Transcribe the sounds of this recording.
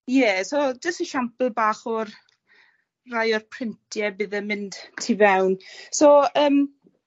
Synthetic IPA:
jɛsod͡ʒəstəʃampəlˠbaːχɔr | rajɔrpʰr̥ɪntʰjɛbɨðəmɪnd̥tʰːiːvɛwnsoəːm

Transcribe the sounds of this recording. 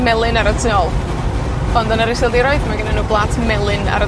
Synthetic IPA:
mɛlˠɨnaɾətʰɪɔlˠ | ɔndɔnəɾɪsɪlˠdiɾɔɨðmaɡənanuːblˠaːtʰmɛlˠɨna̰ɾə

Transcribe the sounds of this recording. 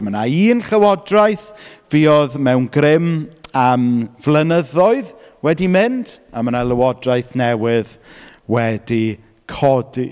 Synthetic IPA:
mənaiːnɬəwɔdrajθviːɔðmɛwnɡrɪmamvlənəðɔɨð | wɛdimɪnd̥amənaləwɔdrajθnɛwɪðwɛdi | kʰɔdḭ

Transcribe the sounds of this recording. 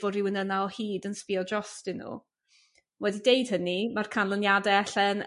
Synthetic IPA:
vɔɾɪwənənaɔhiːdənspiɔd͡ʒɔstɪnṵ | wɛdidejd̥hənimarkʰanlˠənjadɛɛɬɛn

